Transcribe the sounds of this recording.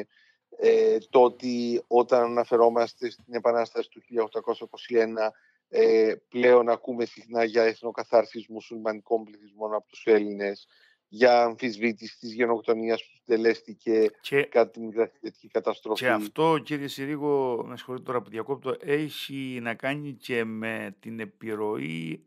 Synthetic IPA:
et̪o̞t̪io̞t̪ɐnɐnɐfe̞ɾo̞mɐst̪e̞st̪ine̞pɐnɐst̪ɐsi̥t̪uçiʎɐoxd̪ɐko̞sɐiko̞sie̞nɐ | eple̞o̞nɐkume̞sixnɐʝɐeθno̞kɐθɐɾsizmusulmɐniko̞mbliθizmo̞nɐpo̞t̪u̥se̞line̞s | ʝɐːɱfizvit̪isi̥t̪izʝe̞no̞kt̪o̞niɐspu̥sind̪e̞le̞st̪ice̞ekɐt̪at̪inmikɾɐθitet̪i̥cikɐt̪ɐst̪ɾo̞fceɐft̪o̞ciɾiesiɾiɣo̞nɐsi̥xolit̪et̪oɾɐpiðiɐko̞p̚t̪oʔe̞çinɐkɐɲice̞me̞t̪ine̞piɾo̞i

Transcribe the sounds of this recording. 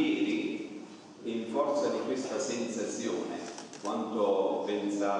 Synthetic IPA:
eːɾi | iɱfɔrt̪sad̪ikwest̪asensat̪sjo̰ːnḛkwant̪opensaː

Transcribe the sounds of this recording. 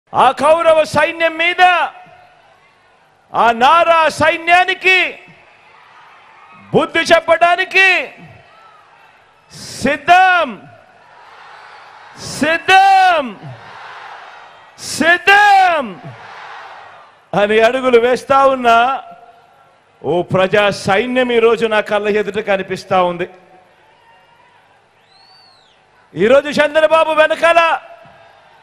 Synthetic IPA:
aːkɐwɾɐʋɐsɐjnjɐmːiːd̪ɐ | aːnaːɾaːsɐjnjaːniki | bud̪ʱːit͡ʃɛpːɐɽaːniki | sid̪ːɐm | sid̪ːɐm | sid̪ːɐm | ɐniɐɽuɡuluʋɛːst̪aːwunːɐ | oːpɾɐd͡ʒaːsɐjnjɐmiːɾo̞ːd͡ʒunaːkɐlːɐɦed̪uʈɐkɐnipist̪aːund̪i | iːɾo̞ːd͡ʒut͡ʃɛnd̪ɐɾɐbaːbuʋɛnɐkɐla

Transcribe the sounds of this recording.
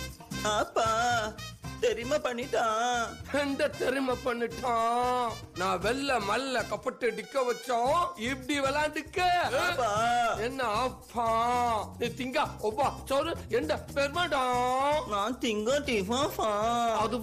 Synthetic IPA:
apːaː | t̪ɛɾɪmɐpɐɳːiʈːãːɛnd̪ɐt̪ɛɾɪmɐpɐɳːɯʈːãː | nãːʋɛlːɐmɐlːɐkɐpːɐʈːɯɖɪkːɐʋɐt͡ʃːõːɪpɽiʋɛlãːɖɯkːɐɐpːaːɛnːɐɐpʰːãːnĩːt̪ɪŋɡaːɔbat͡ʃoːɾɯɛnd̪ɐpeːɾmaːɖãːnãːt̪ɪŋɡõːʈifãfãːɐðɯ

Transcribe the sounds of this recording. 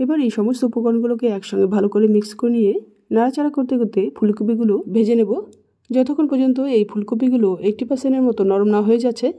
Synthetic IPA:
ebaɾejʃɔmost̪oupoɡonɡulokeɛkʃɔŋɡebʱalokoɾemikskoɾnije | naɾat͡ɕaɾakoɾt̪eɡot̪efʰulkop̬iɡulobʱed͡ʑenebo | d͡ʑɔt̪ʰokʰonpɔɾd͡ʑont̪oejfʰulkop̬iɡuloek̚ʈipaseneɾmɔt̪onɔɾomnaɦoed͡ʑatːɕʰe

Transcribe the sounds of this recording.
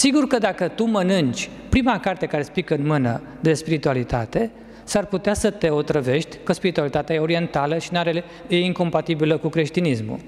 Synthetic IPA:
siɡurkəd̪akət̪umənɨnt͡ʃʲ | pɾimakart̪e̞kaɾe̞spikəɨnmɨnə̰ | d̪e̞spiɾit̪ualit̪a̰t̪e̞ | sarput̪easət̪e̞o̞t̪ɾəve̞ʃt̪ʲkəspiɾit̪ualit̪at̪eajeo̞ɾie̞nt̪aləʃinaɾe | eiŋko̞mpat̪ibiləkukɾe̞ʃt̪inismṵ

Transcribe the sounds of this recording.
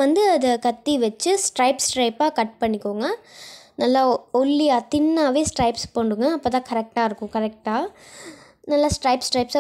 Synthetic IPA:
ʋɐnd̪ɯɐdɐkɐt̪ːiʋɐt͡ʃːɯsʈɾɐɪpsʈɾɐɪpaːkɐʈ̚pɐɳːɪkːoːŋɡɐnɐlːaːɔɭːɪjaːt̪ɪnːaːʋeːsʈɾɐɪpspoːɳɖɯŋɡɐːpːoːt̪ãːkɐɾɛk̚ʈaːɪɾɯkːʊ̃kɐɾɛk̚ʈaː | nɐlːaːsʈɾɐɪpsʈɾɐɪpsa

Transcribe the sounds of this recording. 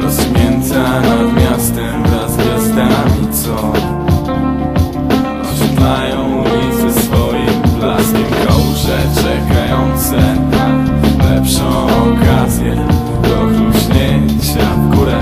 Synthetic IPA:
ɾɔzmʲjɛnt̪samʲjast̪ɛmvɾazɡʲasd̪amʲit̪sɔ | t̪ʂumajɔ̃w̃izɛsfɔjimblaskʲimkɔwʐɛt͡ʂɛkajɔ̃nt̪sɛ | lɛpʂɔ̃w̃ɔkazʲjɛ | d̪ɔzɾuʑɲeɲ | t͡ɕa | kuɾa

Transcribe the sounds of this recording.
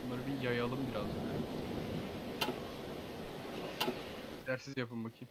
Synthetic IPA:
unːˠaɾɯbijajalˠɯmbiɾazønd̪ɛ | d̪æɾsizjapɯmbacʰi

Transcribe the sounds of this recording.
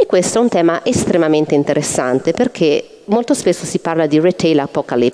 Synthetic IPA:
ekːwest̪oɛunt̪ɛːmaʔest̪ɾemament̪eint̪eɾʔesːant̪eperkʰe | molt̪ospesːosiparlad̪iret̪ɛjlapːɔkalip

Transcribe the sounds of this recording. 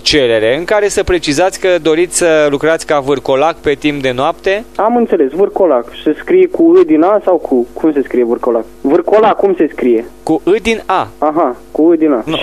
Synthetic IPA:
t͡ʃe̞ɾe̞ɾe̞ɨŋkaɾe̞səpɾe̞t͡ʃizat̪sʲkəd̪o̞ɾit̪sʲsəlukɾat̪sʲkavɨrko̞lakpe̞t̪imp̚d̪e̞noap̚t̪e̞amɨnt̪se̞le̞svɨrko̞lakseskɾijekuɨd̪inasawkʰukumse̞skɾijevɨrkolakvɨrkolakːumse̞skɾije̞kuʔɨd̪inaaɦakuɨd̪inanu

